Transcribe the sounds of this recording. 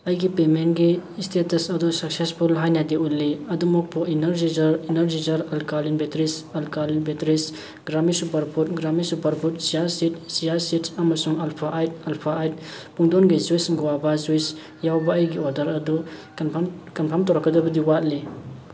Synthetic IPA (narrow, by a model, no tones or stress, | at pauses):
ɐjɡipemenɡistʰetɐsɐdusɐk̚sespʰulɦajnadeulːiɐdumɔk̚pʰɔinɐɾd͡ʒizɐɾinɐɾd͡ʒizɐɾɐlkalinbetɾisɐlkalinbetɾis | ɡɾamisupɐɾpʰut̚ɡɾamisupɐɾpʰut̚sijaɾsitsijaɾsitɐmɐsuŋalpʰajtalpʰaːjt̚puŋdɔnɡizwisŋɡɔwabazuis | jawbaːjɡiɔɾdɐɾɐdu | kɐnpʰamtɔwɾakːɐdɐbɐdiwat̚li